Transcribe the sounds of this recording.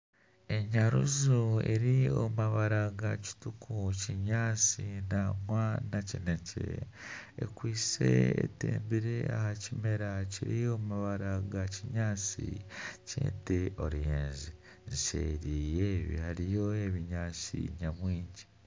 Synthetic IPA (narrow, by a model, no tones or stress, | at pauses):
e̞ɲaɾṵzuḛɾio̰maβaɾaɡaci̥tukʰuciɲaːt͡sinamwanacinecḛ | ḛkwiːsḛḛtḛːmbiɾe̞ahacime̞ɾaciɾiomaβaɾaɡaciɲaːt͡sḭcḛːnteo̞̰ɾjeːnzi | ziʃḛːɾiːjeːβihaɾijo̞e̞βiɲaːsḭɲamwiːɲɟi